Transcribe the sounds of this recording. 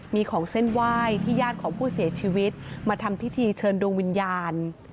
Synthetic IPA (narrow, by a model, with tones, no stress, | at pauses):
miː˧kʰɔː˩˦ŋse˥˩nwaː˥˩jt̪ʰiː˥˩jaː˥˩t̪̚kʰɔː˩˦ŋpʰuː˥˩si˨˩˦ɐt͡ɕʰiː˧wi˦˥t̪̚maː˧t̪ʰa˧mpʰi˦˥t̪ʰiː˧t͡ɕʰɤː˧ndoː˧ŋwi˧njaː˧n